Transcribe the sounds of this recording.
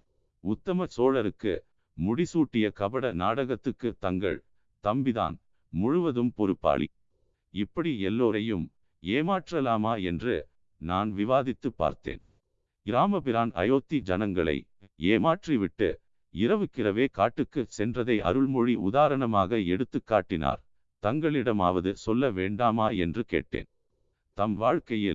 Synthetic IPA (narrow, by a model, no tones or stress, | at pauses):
ʊt̪ːɐmɐsoːɻɐɾɯkːɯ̰ | mʊɽɪsuːʈːɪjɐkɐbɐɽɐnaːɽɐɣɐt̪ːɯkːɯt̪ɐŋɡɐ̰ɭ | t̪ɐmbɪða̰ːn | mʊɻʊʋɐðɯmpɔɾɯpːa̰ːɭḭ | ɪpːɐɽiɛlːoːɾɐjɯm | eːmaːʈrɐlaːmaːɛndrɯ̰ | naːnʋɪʋaːðɪt̪ːɯpːa̰ːɾt̪ḛːn | ɡɪɾaːmɐpɪɾaːnɐ̰joːt̪ːid͡ʒɐnɐŋɡɐɭɐ̰ɪ | eːmaːʈriʋɪʈːɯ̰ | ɪɾɐʋɯkːɪrɐʋeːkaːʈːɯkːɯsɛndrɐðɐɪʔɐ̰ɾɯɭmɔɻiʊðaːɾɐɳɐmaːɣɐɛɽɯt̪ːɯkːaːʈːɪna̰ːɾ | t̪ɐŋɡɐɭɪɽɐma̰ːʋɐðɯsɔlːɐʋeːɳɖaːmaːɛ̰ndrɯkḛːʈːḛːn | t̪ɐmʋaːɻkɐjɪ̰l